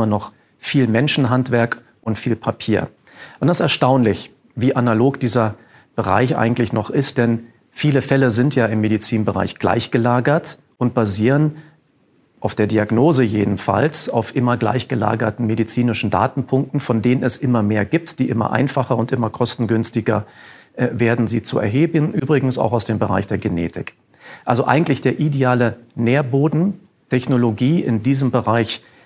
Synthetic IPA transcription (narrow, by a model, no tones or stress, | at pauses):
mɐnɔχ | fiːlmɛnʃn̩ɦantv̥ɛɐk | ʔʊntfiːlpʰapʰiːɐ | ʔʊndasɛɐʃtaʊnlɪç | viːʔanaloːkd̥iːzɐ | b̥əʁa̰ɪçʔa̰ɪɡŋ̩tlɪçnɔχɪstd̥ɛn | fiːləfɛləzɪntjaːɪmːedit͡siːnbəʁa̰ɪçɡ̥la̰ɪçɡ̥əlaːɡɐt | ʔʊnt̚b̥aziːʁən | ʔaʊfd̥eːɐdiaɡnoːzəjeːdn̩fa̰lsaʊfʔɪmɐɡla̰ɪçɡ̥əla̰ːɡɐtn̩medit͡siːnɪʃn̩da̰ːtn̩pʰʊŋk̚tn̩fɔndeːnənɛsʔɪmɐmeːɐɡiːp̚td̥iːʔɪmɐ̰ʔa̰ɪnfaχɐʊntʔɪmɐkʰɔstn̩ɡʏnstɪɡɐ | veːɐdn̩ziːt͡suɛ̰ɐɦeːbənʔyːbʁɪɡŋ̩sa̰ʊxaʊsd̥eːmbəʁa̰ɪçd̥eːɐɡenḛːtʰɪ̰k | ʔalzoʔa̰ɪɡŋ̩tlɪçd̥eːɐʔideaːləneːɐboːdn̩ | tʰɛçnoloɡiːʔɪ̰ndiːzəmbəʁaɪç